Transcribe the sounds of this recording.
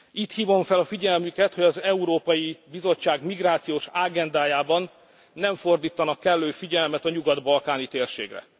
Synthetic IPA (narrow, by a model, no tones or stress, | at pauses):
it̪hiːvo̞ɱfɛlɒfiɟɛlmykɛt̪hoɟɒzɛuɾoːpɒjibizo̞t͡ʃːaːɡmiɡraːt̪sijoːʃaːɡɛnd̪aːjaːbɒnː | ɛɱfo̞rd̪iːt̪ːɒnɒkːɛlːøːfiɟɛlmɛt̪ɒɲuɡɒd̪bɒlkaːnit̪eːrʃḛːɡrɛ̰